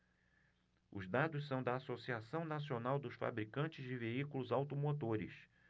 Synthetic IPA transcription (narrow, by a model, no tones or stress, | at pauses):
ʊ̰zd̪ad̪ʊssɐ̃w̃d̪ɐːsosiasɐ̃w̃nasionawd̪ʊsfa̰bɾikɐ̃nt͡ʃɪzd͡ʒɪveikulʊzawt̪omot̪oɾɪ̰s